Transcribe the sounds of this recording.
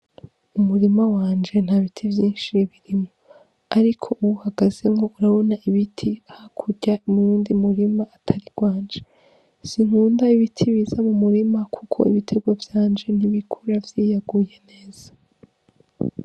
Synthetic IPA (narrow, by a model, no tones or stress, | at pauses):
umuɾimawaːnd͡ʒe̞n̥haβitʰivjiːnʃiβiɾimo̞ | aɾikʰo̞ʔuβuhaɡaze̞ŋɡo̞uɾaβo̞naʔiβitʰiahakʰuɟaimɾuːndimuɾimaːtʰaɾiɡwaːɲd͡ʒe̞ | z̥iŋ̥uːndaiβitʰiβizamumuɾimakʰukʰo̞̰iβitʰe̞ɡwavjaːnd͡ʒe̞n̥iβikʰuɾavjiːjaɡuje̞ne̞ːz̥ḁ